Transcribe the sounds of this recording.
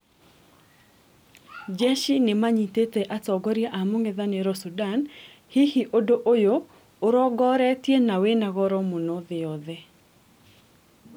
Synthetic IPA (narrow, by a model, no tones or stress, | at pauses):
d͡ʒeʃinɪmaɲitet̪eʔat͡sɔɡɔɾjaʔamoŋɪðaneɾɔsudan | hihiʔodoʔojoː | ɾɔɡɔɾɛtjenawenaɣɔɾɔmonoðɪɔðɛ